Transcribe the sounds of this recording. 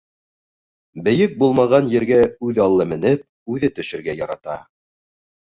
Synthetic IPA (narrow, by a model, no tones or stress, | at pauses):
bɘ̆jɘk̚bulˠmɑʁɑnjɘ̆ɾɡæʉðɑlˠːɤmɘ̆nɘp̚ | ʉðɘt̪ɵ̆ʃɘ̆ɾɡæjɑɾɑt̪ɑ̰